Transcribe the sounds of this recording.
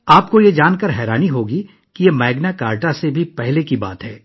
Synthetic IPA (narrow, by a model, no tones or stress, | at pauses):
aːpkojed͡ʒaːnkəɾɦɛːɾaːniɦoːɡi | kijemɛːɡnakaːɾʈasebʱipɛɦlekiba̰ːt̪ɦɛː